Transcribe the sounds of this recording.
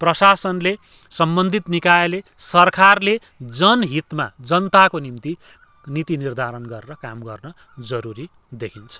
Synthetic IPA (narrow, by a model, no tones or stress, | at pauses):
prʌsasʌnle | sʌmbʌnd̪ʱit̪nikajelesʌrkarle | d͡zʌnɦit̪ma̰d͡zʌnt̪akonimt̪i | nit̪inird̪ʱaɾʌnɡʌɾeɾʌkamɡʌrnʌ | d͡zʌɾuɾi | d̪ekʰint͡sʰʌ̥